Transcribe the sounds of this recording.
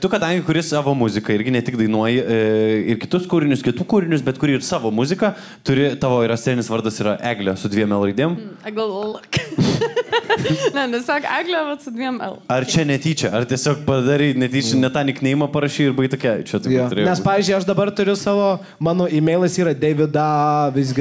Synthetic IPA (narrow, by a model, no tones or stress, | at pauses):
t̪ʊkɐd̪ɐŋʲɡʲɪkʊɾʲɪsɑːʋoːmʊzʲɪkɐɪɾʲɡʲɪnʲɛt̪ʲɪɡd̪ɐɪnuɔjɪɪɾkʲɪ̥t̪ʊskuːɾʲɪnʲʊskʲɪt̪uːkuːɾʲɪnʲʊsbʲɛt̪kʊɾʲiːrsɑːʋoːmʊzʲɪkɐ | t̪ʊɾʲɪt̪ɑːʋoːiɾɐsʲt̪ʲɛːnʲɪsʋɐɾd̪ɐsiːɾɐʔæːɡlʲoːsʊd̪ʲʋʲiɛmɛlˠrɐɪd̪ʲiːmɐɡɐlˠlˠɐk | nʲɛnʲɛssʲɑːkæːɡlʲoːʋɐt̪sʊd̪ʲʋʲiɛmɛlˠɐrt͡ʃʲɛnʲɛt̪ʲiːt͡ʃʲɛɐrt̪ʲiɛsʲoːkpɐd̪ɐɾʲɛɪnʲɛt̪ʲiːt͡ʃʲɛnʲɛt̪ɑːnʲɪknʲɛjɪmɐpɐɾɐʃʲiːɪɾbɐɪt̪okʲɛt͡ʃʲɛt̪ɐɪjoːtʊɾʲeːjnʲɛspɑːʋʲiːzʲd͡ʒʲʊɪɐʃd̪ɐbɐrt̪ʊɾʲʊsɑːʋoː | mɑːnoːimʲɛɪlˠɐsiːɾɐd̪ʲɛːʋʲɪd̪ɑʋʲɪzʲɡʲɪ